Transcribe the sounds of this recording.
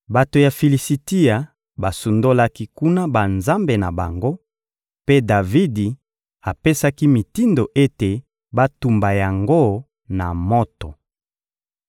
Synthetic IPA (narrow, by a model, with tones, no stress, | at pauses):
ba˨to˨ja˨fi˨li˨si˨ti˦a˨ | ba˨su˨ndo˦la˦ki˦ku˦na˦ba˨nza˦mbe˨na˨ba̰˨ŋɡo˦ | pe˦da˨vi˦di˨ | a˨pe˦sa˦ki˦mi˨ti˦ndo˨ʔe˦te˨ | ba˦tu˨mba˨ja˨ŋɡo˦ | na˨mo˦to˨